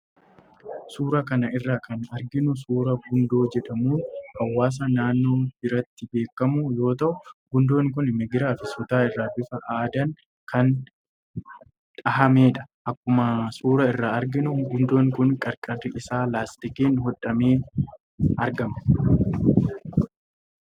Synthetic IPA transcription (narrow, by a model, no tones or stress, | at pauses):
suːɾɐkɐnɐʔɪrːaːkʰɐnɐɾɡɪnʊsuːɾɐɡʊnd̪o̞ːd͡ʒɛᶑɐmuːnhɐwːaːs̬ɐnaːnːo̞ːbɪɾɐt̪ːɪbe̞ːkːɐmʊjo̞ːt̪ɐʔʊɡʊnd̪o̞ːŋk̬ʊnmɛɡɪɾaːfɪsʊt̪aːɪrːaːbɪfɐʔaːd̪ɐŋ | kʰɐn | ᶑ̪ʼɐɦɐme̞ːᶑɐ̥ʔɐkːʊmɐsuːɾɐɪrːaːɐɾɡɪnʊɡʊnd̪o̞ːŋkʊŋkʼɐɾkʼɐrɪʔɪsaːlaːst̪ɪkiːnɦɔᶑɐmeː | ɐɾɡɐmɐ